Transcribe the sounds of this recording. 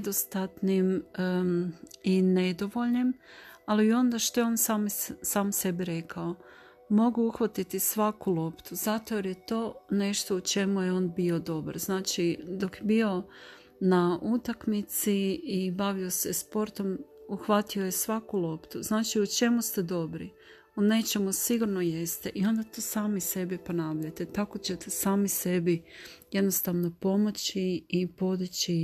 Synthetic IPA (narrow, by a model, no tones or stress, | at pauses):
d̪ost̪at̪nim | ine̞d̪o̞ʋo̞ʎnimaliːo̞nd̪aʃt̪o̞jeo̞ːnsamsaːmse̞biɾe̞kʰao | mo̞ɡuuxʋat̪it̪isʋakulo̞pt̪uzat̪oeɾjet̪o̞ːne̞ʃt̪o̞ut͡ʃe̞mujeo̞ːnbio̞d̪o̞ba̰ɾznaːt͡ʃid̪o̞kjebio̞ | naʔut̪akmit̪siːbaʋio̞se̞spo̞ɾt̪o̞muxʋat̪io̞jesʋakulˠo̞pt̪uznaːt͡ʃiut͡ʃe̞must̪e̞d̪o̞bɾḭ | une̞t͡ʃe̞musiɡuɾnoje̞st̪eʔio̞nd̪at̪oːsaːmise̞bipo̞naːʋʎat̪et̪ako̞t͡ɕe̞t̪esaːmise̞bije̞d̪nost̪aʋno̞po̞mo̞t͡ɕiːpo̞d̪it͡ɕi